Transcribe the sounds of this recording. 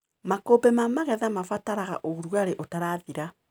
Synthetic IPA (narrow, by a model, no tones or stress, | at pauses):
makobɛmamaɣɛðamafataɾaɣa̰ʔouɾwaɾeʔotaɾaðiɾa